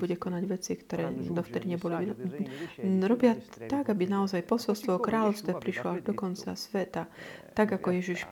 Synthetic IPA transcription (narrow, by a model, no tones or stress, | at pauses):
buɟɛkɔnaɟʋɛt͡sikt̪ɔɾɛːd̪ɔft̪ɛd̪iɲɛbɔliʋi | ɾɔbɪat̪aɡabinaɔzajpɔsɔlst̪ʋɔkɾaːlɔʊst̪ʋɛpɾiʃlɔaʒd̪ɔkɔnt͡sa̰sʋɛt̪at̪aɡakɔjɛʒiʃ